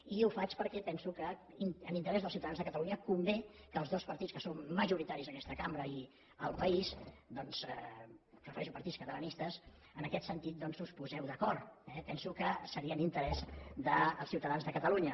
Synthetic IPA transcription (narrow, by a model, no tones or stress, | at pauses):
iufat͡ʃpəɾkɛpɛnsukə | inənint̪əɾɛzðlˠsiuwt̪əðanzðəkət̪əluɲəkumbekəːlˠzðɔspəɾt̪itskəsomːəʒuɾit̪aɾizəkɛst̪əkambɾəi | əlˠpəizd̪ɔnzərrəfəɾɛʃupəɾt̪itt͡sskət̪ələnist̪əs | ənəkɛt̪sənt̪it̪̚d̪ɔnzuspuzɛwðəkɔɾt̪ɛpɛnsukəsəɾiənint̪əɾɛzd̪əːlˠsiwt̪əðanzðəkət̪əluɲə